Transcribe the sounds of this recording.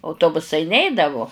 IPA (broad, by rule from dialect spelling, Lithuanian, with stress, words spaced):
ɐʊˈtoːbʊsɐɪ ˈnʲɛɪdɐʋʊ